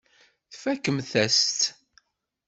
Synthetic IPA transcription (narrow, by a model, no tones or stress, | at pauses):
θfækːəmθæst̪